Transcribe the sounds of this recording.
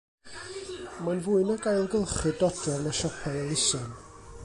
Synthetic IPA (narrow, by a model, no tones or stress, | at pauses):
manvuɨnɔɡajlˠɡəlˠχɨdɔdrɛvnaʃɔpʰaəlˠɪsɔn